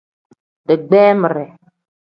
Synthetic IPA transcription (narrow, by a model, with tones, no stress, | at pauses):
dɨ˨ɡ͡bɛː˦mə˨ɾɛ˨